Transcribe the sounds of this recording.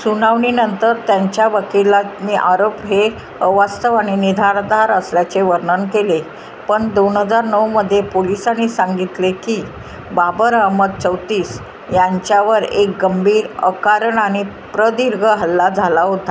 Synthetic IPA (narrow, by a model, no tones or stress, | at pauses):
sunaʋɳinənt̪əɾt̪jaɲt͡ɕjaʋəkilat̪niːʔaɾopɦe | əʋast̪əʋaɽ̃inid̪ʱaɾd̪aɾəsljat͡seʋəɾɳənkele | pəɳd̪onɦəd͡zaɾnəwməd̪ʱːjepolisañːisaŋɡit̪lekiː | babəɾamət̪̚t͡səwt̪iːs | jaɲt͡ɕjaʋəɾḛk̚ɡəmbʱiːə̰kaɾəɳaɽ̃i | pɾəd̪iɾɡʱəɦəlːad͡zʱalaɦot̪a